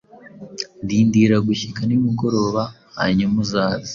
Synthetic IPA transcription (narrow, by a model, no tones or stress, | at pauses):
ndiːndiɾaɡuçikanimiɡo̞ɾo̞ːβa | a̰ɲamuzaːzi̥